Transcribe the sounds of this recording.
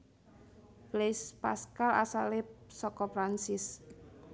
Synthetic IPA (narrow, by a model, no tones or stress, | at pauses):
b̥lespa̰skala̰salɪpsɔkɔpɾansɪs